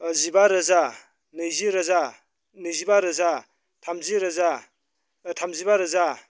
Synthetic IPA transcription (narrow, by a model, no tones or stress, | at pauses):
zibaɾɐza | nɯjziɾɐza | nɯjzibaɾɐza | tʰamziɾɐza | tʰamzibaɾɐza